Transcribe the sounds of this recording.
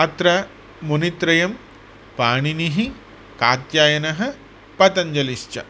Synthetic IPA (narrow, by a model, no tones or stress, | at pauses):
at̪ɾɐ | munit̪ɾɐjɐm | paːɳiniɦi | kaːt̪jaːjɐnɐɦɐ̆ | pɐt̪ɐɲd͡ʒɐliʃt͡ʃɐ̰